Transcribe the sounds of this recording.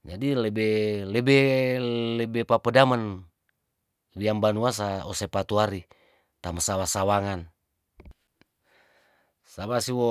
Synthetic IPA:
d͡ʒadilɛbɛlɛbɛ | lɛbɛpapədaman | liambanuas̬aɔsepat̪uaɾi | t̪amasawasawaŋan | sabasiwɔ

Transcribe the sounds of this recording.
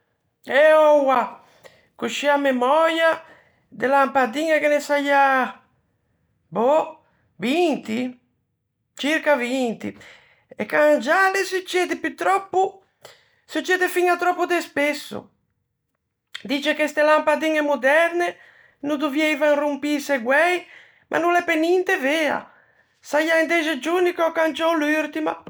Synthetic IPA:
ɛɔwa | kuʃiamemɔɾja | d̪elampad̪iŋakenesaja | bo | vint̪i | t͡ʃiɾkavint̪ḭ | ɛkaŋd͡ʒalesut͡ʃːɛd̪ɪpit̪ːɾɔpːu | sut͡ʃːɛːd̪ɛfiŋat̪ɾɔpːud̪ɛspɛsːṵ | d̪iːt͡ʃɛkest̪ɛlampad̪iŋɛmud̪ɛɾne | nud̪uvjɛjvaŋrumpiseɡwɛj | mʔa̰nulɛpenint̪ɛvɛːa̰ | sajaind̪ɛzɛd͡ʒunikɔkant͡ʃɔlyɾt̪ima̰

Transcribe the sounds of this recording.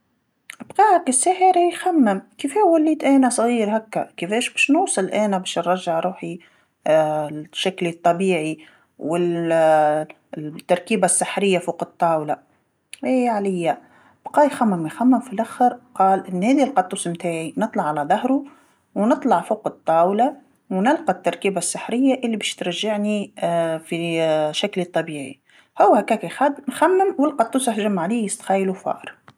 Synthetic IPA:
ʔbqɑːhakɪsːæːħəɾijxamːɪmkifewælːiːt̪ʔæːnasˤɣiːɾɦakːakɪfɛːʃbɛːʃnuːsˤɨlʔæːnabæːʃnɾˤːɑʒːaʕɾuːħi | ʃːaklit̪ˤːɑbiːʕi | wɪ | t̪ːɑɾˤkiːbasːɪħɾɪjːafuːqɨt̪ˤːɑːwla | ʔeːʕalɪjːa | b̥qɑːjxæmːɪmjxamːɪmfilʔaxəɾqɑːlʔɪnːhæːd̪ilqɑt̪ˤːuːsmt̪aːʕinɨt̪ˤlɑʕalæðˤɑɦɾu | wnɨt̪ˤlɑʕfoːqət̪ˤːɑːwla | wnɪlqɑt̪ːɑɾˤkiːbasːɪħɾɪjːaʔɪlːibæːʃt̪ɾɑʒaʕnifiʃaklit̪ˤːɑbiːʕḭ | hʊwːhækæːkixæd̪nxæmːɪmwɪlqɑt̪ˤːuːsɪhʒamːʕaliːjɪst̪xæjlufɑ̰ːʔɾˤ

